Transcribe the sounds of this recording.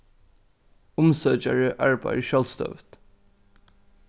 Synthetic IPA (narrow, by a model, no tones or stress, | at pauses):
ʊmsœt͡ʃaɹəʔaɹba̰jʃœlst̪œ̰ʋt̪